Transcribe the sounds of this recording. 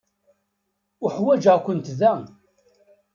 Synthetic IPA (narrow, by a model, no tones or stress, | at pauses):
ʊħwæd͡ʒəʁkʷənt̪ðæ